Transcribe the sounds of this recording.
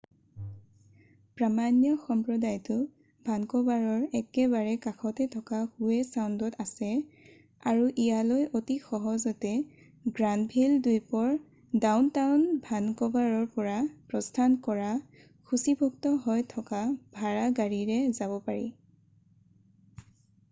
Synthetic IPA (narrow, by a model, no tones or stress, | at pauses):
pɹamanjɔxɔmpɹɔdajtʊ | bʱankɔbaɹɔɹɛkɛbaɹɛkakʰɔtɛtʰɔkaxuɛsawndɔtasɛ | aɹuʔijalɔjʔotixɔɦɔzɔtɛ | ɡɹandbʱildujpɔɹ | dawntawnbʱankɔbaɹɔɹpɔɹapɹɔstʰankɔɹa | kʰusibʱuk̚tɔɦɔjtʰɔkabʱaɹaɡaɹiɹɛzabɔpaɹḭ